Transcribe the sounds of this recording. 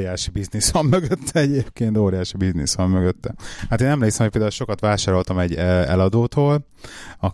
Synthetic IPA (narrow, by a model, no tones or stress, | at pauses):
jaːʃibiznisɒmːøɡøt̪ʰːɛɛɟeːpkeːnt̪oːɾijaːʃibiznisʋɒmmøɡøt̪ːɛhat̪eːnːɛmleːksɛmhoc̚peld̪aulʃo̞kɒt̪ʋaːʃaːɾo̞lt̪ɒmɛɟːɛ̰lɒd̪oːt̪oːl | ɒ